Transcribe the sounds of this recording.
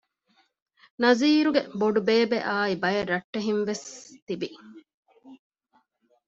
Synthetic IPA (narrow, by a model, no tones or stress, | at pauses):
nɐziːɾuɡeboɖubeːbeʔaːibɐjɐɾːɐʈːeɦinʋest̪ibi